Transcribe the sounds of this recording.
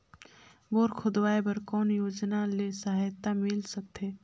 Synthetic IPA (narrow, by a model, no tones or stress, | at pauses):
boːɾkʰʊd̪waːebɐɾkɔːnjoːd͡ʒnalesəɦajt̪amɪlsɐk̚t̪ʰeː